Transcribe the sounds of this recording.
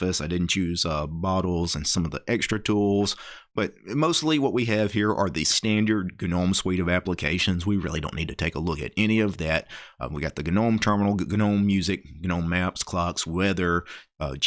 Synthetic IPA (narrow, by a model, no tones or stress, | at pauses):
ɨsaɪdɪdⁿn̩t͡ʃʉzʌbɑɾl̩ˠzɨ̃nsʌ̃mʌvðiʔɛkstɹ̥ɨtʰulˠz̥b̥ʌt̚moʊstˡliwʌʔ̚wiɨv̥hiɹʔə̰˞ðɨstæ̃ndə˞d̚ɡɨnõʊ̃mswiɾʌvæpləkʰeɪʃɨ̃nzwiɹɪlˠḭdõʊ̃nːid̚tʰɨtʰeɪkəlʊkɨ̰ɾɛñiʌvðæt̚wiɡɑt̪̚ðɨɡɨnõʊ̃mtʰɜ˞mənl̩ˠɡɨnõʊ̃mːjʉzɨk̚ɡ̥ɨnõʊ̃mːæpskʰl̥ɑkswɛðə˞